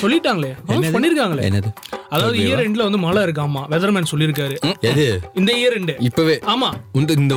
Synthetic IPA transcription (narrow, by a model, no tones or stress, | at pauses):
sɔlːɪʈːaːŋɡɐɭeːkɐnɐpɐɳːɪɾɯkːaːŋɡɐɭḛɛ̰nːɐðɯɐðaːʋɐðɯiːjɐɾɛɳɖɪlɐʋɐnd̪ɯmɐːlaːɪɾɯk̬ːaːmːaːʋɛðɐɾmẽːnsɔlːɪɾɯk̬ːaːɾɯɛðɯɪnd̪ɐijɐɾɛɳɖɪpːoʋeːaːmaːʊnʈɯɪnd̪ɐ